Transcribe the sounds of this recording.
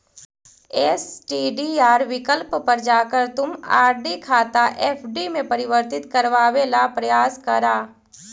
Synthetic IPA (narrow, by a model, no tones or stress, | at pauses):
eːsʈiːɖiaːɾʋɪkəlppəɾd͡ʒaːkəɾt̪ʊma̰ːɾɖikʰaːt̪aʔɛːpʰɖimẽpɐɾɪʋəɾt̪ɪt̪kɐɾʋaːʋelapɾɐjaːskɐɾaː